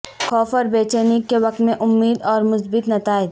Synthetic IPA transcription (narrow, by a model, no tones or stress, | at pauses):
xʰɔːfɔːɾbeːt͡ʃeːnikːeʋɐk̚t̪mẽʔʊmːiːd̪ɔːɾmʊsbɪt̪nɐt̪aːɪd̪